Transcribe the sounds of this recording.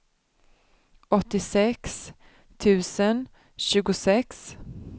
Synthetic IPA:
ɔt̪ːɪsɛks | t̪ʰʉ̟ːsən | ɕʉ̟ːɡʊsɛks

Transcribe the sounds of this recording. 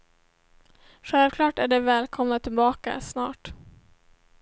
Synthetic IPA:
ɧɛlvkʰlɑːʈæɖɛvɛːlkʰɔmnat̪ʰɪlbɑːka̰snɑːʈ

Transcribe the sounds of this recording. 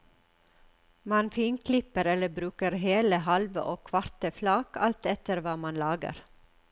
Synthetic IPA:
mɑnfiːnkʰlɪpəɾɛləbɾʉːkəɾheːləhɑlʋə̰ʔoːkʰʋɑɾt̪əflɑːkʰɑlt̪ɛt̪əɾʋɑːmɑnlɑːɡə̰ɾ

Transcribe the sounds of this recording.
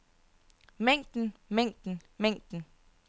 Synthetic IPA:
meŋ̰d̥n̩meŋ̰d̥n̩meŋ̰d̥n̩

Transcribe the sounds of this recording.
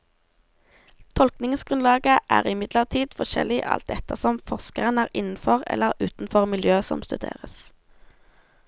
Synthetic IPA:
t̪ʰɔlknɪŋsɡ̥ʁʉnlɑːɡəʔæːʁɪmɪd̪ləʁt̪ʰiːd̪fɔʃɛ̰lɪʔɑ̰lt̪̚d̪ɛt̪əsɔmfɔʁskəʁənæːʁɪnn̩fɔʁɛ̰ləʁʉːt̪n̩fɔʁmɪljøːsɔ̰mst̪ʉd̪ḛːʁəs

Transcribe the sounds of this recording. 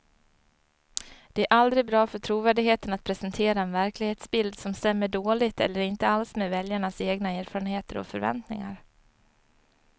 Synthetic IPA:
d̪̥ɛæɾʔald̪ɾɪɡ̚bɾɑːfœʈʰɾuːvæːɖɪɡɦheːt̪ənat̪̚pʰɾɛsɛnt̪ʰeːɾaɛnvæɾklɪɡheːt̪sbɪld̪sɔmst̪ɛmːəɖoːlɪt̪ɛ̰lːəɾɪnt̪əalsmeːvɛljaɳaseːɡnaæːɾfɑːɾənheːt̪əɾɔ̰fœ̰ɾvɛ̰nt̪nɪ̰ŋa̰ɾ

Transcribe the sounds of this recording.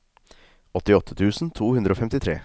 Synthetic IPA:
ɔt̪ːɪɔt̪ʰːə̥t̪ʰʉːsn̩t̪ʰuːhʉnd̪ɾoːfɛmt̪ɪt̪ʰɾḛː

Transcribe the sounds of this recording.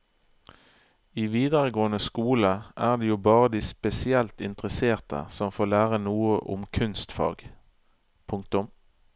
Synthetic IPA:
iːʋiːd̪əʁəɡoːənəskuːləʔæːʁd̪eːjuːbɑːʁəd̪iːspɛsɪɛlt̪ɪnt̪ʁəseːʁt̪ʰə̰sɔmfoːlæːʁənuːəʔʊ̰mkʰʉnst̪fɑ̰ːɡ | pʰʊŋk̚t̪ʊm

